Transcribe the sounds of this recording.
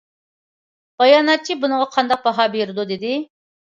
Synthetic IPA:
b̥ɑjɑːnɑt͡ʃʰːibunəʁɑqʰɑnd̪ɑq̚bɑɦɑbeɾɨd̪ud̪ɪd̪ɪ

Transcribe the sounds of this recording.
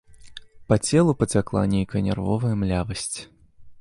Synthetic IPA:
pɐt͡sʲɛlˠupɐt͡sʲaklˠa̰nʲejkɐjɐnʲɛ̰rvɔ̰vɐjɐmlʲavɐsʲt͡sʲ

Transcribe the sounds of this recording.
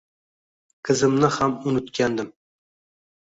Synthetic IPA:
kʰɪzɪmnɪhamʊnɪt̪kʲʰand̪ɪm

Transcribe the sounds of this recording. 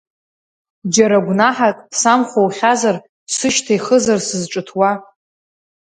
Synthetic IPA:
d͡ʒaɾaɡʷnaħakʼsamχʷowχʲazar | sɨʃtʰajχəzarsɨzʈ͡ʂʼɨtʰwa

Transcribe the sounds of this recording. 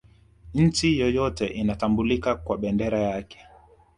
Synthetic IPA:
ɲ̩t͡ʃijɔjɔtɛʔinatambulikakwaɓɛndɛɾajakɛ̥

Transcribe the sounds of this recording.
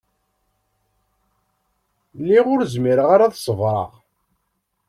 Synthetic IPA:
lːiʁʊɾzmiɾəʁaɾaðsˤəvɾˤɑ̰ʁ

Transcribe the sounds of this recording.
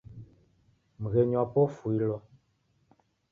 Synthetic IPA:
m̩ɣeɲɔpofuilɔ

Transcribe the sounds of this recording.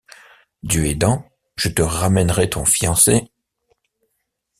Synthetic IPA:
d̪øɛd̪ɑ̃ | ʒ̥ət̪əʁamɛnʁɛt̪ɔ̃fijɑ̃se

